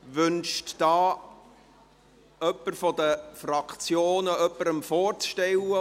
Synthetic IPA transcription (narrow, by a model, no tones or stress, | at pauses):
ʋʏnʃtd̥ɑː | œpːərfɔd̪əfɾɑkʰt͡sjoːnəœpːəɾəmfɔːrt͡sʃtɛwə